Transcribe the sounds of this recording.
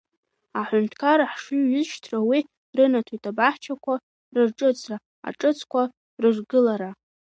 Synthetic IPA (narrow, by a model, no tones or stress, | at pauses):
aħʷʊntʰkʰaɾaħʂuɥʏzʃtʰrawi | rɨnatʰujtʼabaħt͡ʃʰakʷʰa | rɨrʈ͡ʂʼɨt͡sʰʼra | a̰ʈ͡ʂʼɨt͡sʰʼkʷʰa | rɨʐɡɨlaɾa